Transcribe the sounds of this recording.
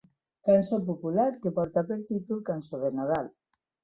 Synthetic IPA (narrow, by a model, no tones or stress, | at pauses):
kansopopulaɾkepɔɾt̪apeɾt̪it̪ulkansoðenað̞al